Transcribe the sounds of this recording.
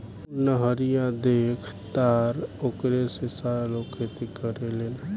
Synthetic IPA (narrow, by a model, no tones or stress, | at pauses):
nəɦəɾijad̪ekʰ | t̪aɾokɾesesalokʰet̪ikəɾelena